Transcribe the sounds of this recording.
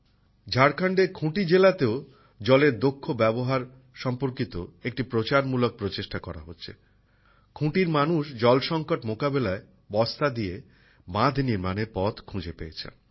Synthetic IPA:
d͡ʑʱaɾkʰaɳɖekʰũʈid͡ʑelat̪eo | d͡ʑɔleɾd̪okʰːobɛboɦaɾ | ʃɔmpoɾkit̪o̰ek̚ʈipɾot͡ɕaɾmulok̚pɾot͡ɕeʃʈakɔɾa̰ɦotːɕʰḛ | kʰũʈiɾmanuʃd͡ʑɔlʃɔŋkoʈmokabelae | bɔst̪ad̪ie | bãd̪ʱniɾmanepɔt̪kʰũd͡ʑepeet͡ɕʰḛn

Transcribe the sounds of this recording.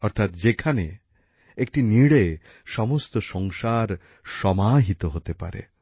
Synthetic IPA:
ɔɾt̪ʰat̪d͡ʑekʰane | ek̚ʈiniɽe | ʃɔmost̪oʃɔŋʃaɾ | ʃɔmaɦit̪oɦot̪epa̰ɾḛ

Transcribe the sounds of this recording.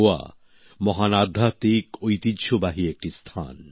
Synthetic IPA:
oa̰ | mɔɦanad̪ʱːat̪ikojt̪id̪ʃobaɦiek̚ʈist̪ʰa̰n

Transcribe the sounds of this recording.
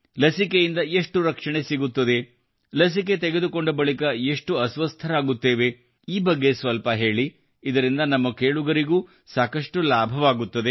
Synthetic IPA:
lɐsikejind̪ɐeʂʈuɾɐkʂɐɳe̞siɡut̪ːɐd̪e̞ | lɐs̬ik̬e̞t̪eɡe̞d̪uko̞ɳɖɐbɐɭikɐe̞ʂʈuɐsʋɐst̪ʰɐɾaːɡut̪ːe̞ːʋe | iːbɐɡːe̞sʋɐlpɐɦe̞ːɭi | id̪ɐɾind̪ɐnɐmːɐkeːɭuɡɐɾiɡuː | saːkɐʂʈulaːbʱɐʋaːɡut̪ːɐd̪e

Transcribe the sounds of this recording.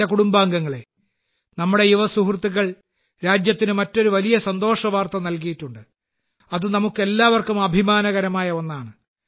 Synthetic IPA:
ɐkuɽumbaːŋɡɐŋːɐɭe̞ | nɐmːuɽe̞juʋɐsuhrt̪ːiɣɐɭ | ɾaːd͡ʑjɐt̪ːinɨmɐtːo̞ɾuʋɐlijɐsɐnd̪o̞ːʂɐʋaːrt̪ɐnɐlk̬ijitːuɳɖɨ | ɐðunɐmukːe̞lːaːʋɐrkumɐbʱimaːnɐɣɐɾɐmaːjɐo̞nːaːɳɨ

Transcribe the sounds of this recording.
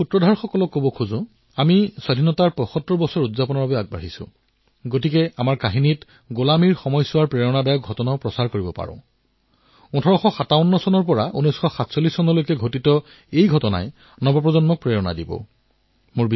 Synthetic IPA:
utɹɔdʱaɹxɔkɔlɔkːobɔkʰuzʊ̃ | amisadʱinɔtaɹpɔxɔtːɹɔbɔsɔɹudzapɔnɔɹbabɛaɡ̚ba̰ɦisʊ̰̃ | ɡotikɛamaɹkaɦinit | ɡolamiɹxɔmɔjsʊwaɹpɹɛɹɔnadajɔk̚ɡʱɔtɔnaʊpɹɔsaɹkoɹibɔpa̰ɹɔ̰̃ | utʰɔɹɔxɔxataʊnːɔsɔnɔɹpɔɹaunɔjsxɔxatsolːisːɔnɔlojkɛɡʱotitɔ | ejɡʱɔtɔna̰j | nɔbɔpɹɔzɔnmɔk̚pɹɛɹɔna̰dibɔ̰ | mʊɹb

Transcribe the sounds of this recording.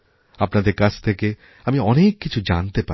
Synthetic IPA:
apnad̪eɾkat͡ɕʰt̪ʰeke | amiɔnekːit͡ɕʰud͡ʑant̪epa̰

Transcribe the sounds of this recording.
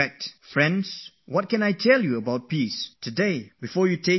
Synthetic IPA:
ɛk̚tfɹɛ̃nds | wɔt̚kɛ̃najtʰɛljuəbaʊt̚pistʰudebifɔjutʰe

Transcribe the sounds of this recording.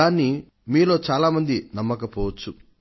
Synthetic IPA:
aːni | miːlo̞ːt͡ʃaːlaːmɐnd̪inɐmːɐkɐpɔːʋɐt͡ʃːu

